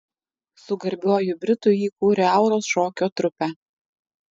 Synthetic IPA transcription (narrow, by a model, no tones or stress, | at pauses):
sʊɡɐɾʲbʲoːjʊbʲɾʲɪt̪ʊjiːkuːɾʲɛɐʊɾoːsʃoːkʲoːt̪ɾʊpʲæ